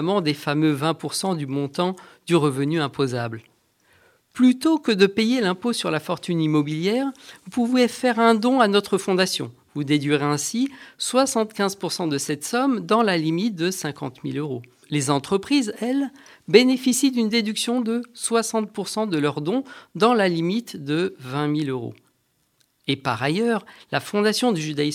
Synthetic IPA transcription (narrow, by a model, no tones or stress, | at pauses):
mɑ̃d̪efamøvɛ̃puʁsɑ̃d̪ymɔ̃t̪ɑ̃d̪̥yʁəvənyɛ̃pozabl | plyt̪okəd̪əpejelɛ̃posyʁlafɔʁt̪ynimɔbiljɛʁvupuvefɛʁɛ̃d̪ɔ̃anɔt̪χəfɔ̃d̪asjɔ̰̃ | vud̪ed̪ɥiʁeɛ̃siswasɑ̃t̪kʲɛ̃zpuʁsɑ̃d̪əsɛt̪sɔmd̪ɑ̃lalimit̪̚d̪əsɛ̃kɑ̰̃t̪miløʁo | lezɑ̃t̪χəpχizɛl | benefisid̪ynd̪ed̪yksjɔ̃d̪əswasɑ̃t̪̚puʁsɑ̃d̪əlœʁd̪ɔ̃d̪ɑ̃lalimit̪d̪əvɛ̃miløʁo̰ | epa̰ʁajœʁlafɔ̃d̪asjɔ̃d̪yʒyd̪ais